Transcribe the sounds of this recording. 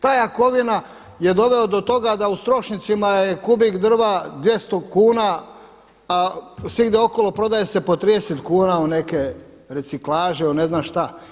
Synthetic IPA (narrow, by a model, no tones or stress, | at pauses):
t̪aːjako̞ʋina | je̞d̪o̞ʋe̞od̪o̞t̪o̞ɡad̪aust̪ɾo̞ʃnit̪simajekubiɡd̪r̩ʋad̪ʋje̞st̪o̞kuːna | asʋiɡd̪eo̞ko̞lo̞pɾo̞d̪ajese̞po̞t̪ɾid̪eset̪kuːnaone̞ke̞ | ɾet̪siklaːʒeone̞znaʃt̪a